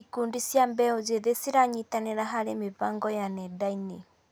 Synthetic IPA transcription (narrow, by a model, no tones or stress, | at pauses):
kundisjambɛɔd͡ʒɛðɛsiɾaɲit̪anɛɾaɦaɾɛmibaŋɡɔjanɛdaini